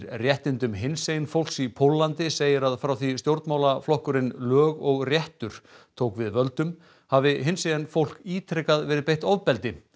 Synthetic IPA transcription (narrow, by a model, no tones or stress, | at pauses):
ɾrjɛht̪ɪnt̪ʏmɦɪnsejɪnfowl̥ksipʰowlːant̪ɪseːjɪɾaðfɾawθist̪jowɾt̪maːwlaflɔhkʏɾɪnlœːɣɔɣrjɛht̪ʏɾ̥t̪ʰowkvɪðvœlt̪ʏm | havɪɦɪnsejanfowl̥kiːt̪ʰɾɛkaðvɛːɾɪpejht̪ɔvpɛlt̪ɪ